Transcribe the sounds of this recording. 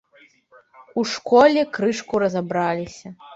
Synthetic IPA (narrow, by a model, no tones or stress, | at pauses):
uʂkɔlʲɛkɾɨʂkuɾɐzabɾalʲisʲɐ